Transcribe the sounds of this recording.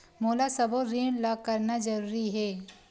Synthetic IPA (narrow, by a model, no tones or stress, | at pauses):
moːlasɐboɾiːɽlaɡ̚kɐɾnazɐɾuːɾiɦɛː